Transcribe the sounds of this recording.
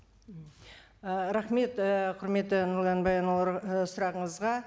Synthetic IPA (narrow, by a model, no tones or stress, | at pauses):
əɾaχme̞t̪əqʰʊɾme̞t̪ːɪnʊɾd̪ɑnbɑjɑnˠɾsʊɾɑʁəɴəzʁɑ